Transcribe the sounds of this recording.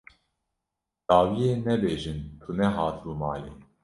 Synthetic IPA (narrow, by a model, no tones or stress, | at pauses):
d̪̥ɑːwijeːnɛbeːʒɨnt̪ʰunɛɦɑːt̪ʰɨbumɑːleː